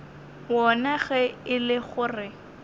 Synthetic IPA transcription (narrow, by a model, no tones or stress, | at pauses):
wɔnaɣɛɪlɪχʊrɪ